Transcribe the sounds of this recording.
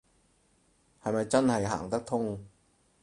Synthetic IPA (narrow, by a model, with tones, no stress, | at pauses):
ha˨˩jmaː˧jt͡ɕa˥˩nha˨˩jɦa̰ː˩˦ŋt̪a˦˥k̚t̪ʰo˥˩ŋ